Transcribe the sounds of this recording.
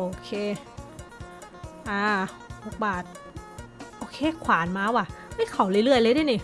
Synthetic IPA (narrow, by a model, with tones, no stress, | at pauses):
ʔoː˧kʰeː˧˩ | ʔaː˧˩ | ho˨˧˥k̚baː˨˩t̪̚ | ʔoː˧kʰeː˧kʰwaː˩˦nmaː˧˥wa˧˩ma˥˩jkʰa˨˩˦wlɯ˥˩˦lɯ˥˩əjlɤː˧˥˦da˥˩˨ni˧˩